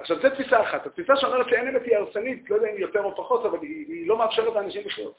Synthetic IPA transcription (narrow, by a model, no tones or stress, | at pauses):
aχʃavzɛt̪fisaːχat̪hat̪fisaʃeo̞me̞ʁet̪lienemethiaʁsenit̪lojd̪eaimjo̞t̪e̞ʁopaχo̞tavaliilo̞meafʃeʁet̪anaʃimbiχlul